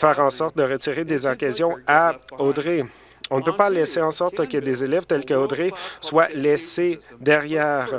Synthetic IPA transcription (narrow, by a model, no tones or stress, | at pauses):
fɛːʁɑ̃sɔʁt̪̚d̪əʁətt͡siʁed̪ezɔkazjɔ̃aod̪ʁe | ɔ̃nəpøpalɛseɑ̃sɔʁt̪kʲəd̪ezelɛv̥t̪ɛlkəod̪ʁeswalɛsed̪ɛʁjɛːʁ